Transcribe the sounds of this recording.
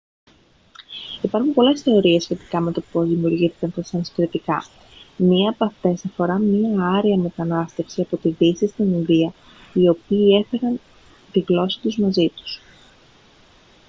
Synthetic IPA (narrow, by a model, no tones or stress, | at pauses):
ipɐɾxumpo̞le̞sθe̞o̞ɾie̞sçe̞t̪i̥kɐme̞t̪o̞po̞zðimiuɾʝiθi̥kɐnt̪ɐsɐnsfɾit̪ikɐ | mɲiɐːpɐft̪e̞sɐfo̞ɾɐmɲiɐɐɾiɐme̞t̪ɐnɐst̪e̞fsiɐpo̞t̪iðisist̪ininðiɐ | io̞piːe̞fe̞ɾɐn | t̪iɣlo̞si̥t̪uzmɐzit̪u̥s